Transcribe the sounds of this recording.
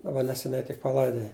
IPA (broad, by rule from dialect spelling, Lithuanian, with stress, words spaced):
dɐˈbɐ nʲɛsʲɛˈnʲɛɪ tʲɪk pɐˈlˠɐɪdoːjɛ